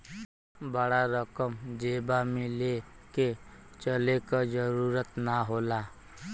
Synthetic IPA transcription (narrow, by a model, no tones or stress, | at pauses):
bəɽaɾəkəmd͡ʒeːbamɪẽle | ket͡ʃəlekad͡ʒəɾuːɾət̪naɦoːlaː